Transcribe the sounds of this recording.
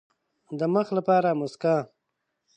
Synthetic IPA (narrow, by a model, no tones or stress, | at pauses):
d̪əməxlapɑːɾamʊska